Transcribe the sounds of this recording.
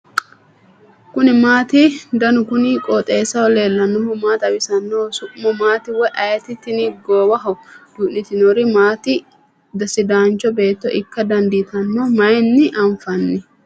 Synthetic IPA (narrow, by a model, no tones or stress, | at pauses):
kʊnɪmaːt̪ɪd̪ɐnʊkʊnɪkʼɔːt̪ʼeːsɐwɔle̞ːlːɐnːɔhʊmaːt̪ɐwɪsɐnːoːsʊʔʼmɔmaːt̪ɪwɔjʔɐjt̪ɪt̪ːɪnɪɡoːbɐɦɔd̪̥ʊʔnɪt̪ɪnɔɾɪmaːt̪ɪ | d̪ɐsɪd̪aːnt͡ʃːɔbe̞ːt̪ːɔʔɪkːɐd̪ɐnd̪it̪ɐnːoːmɐjɛnːɪʔɐɱfɐnːɪ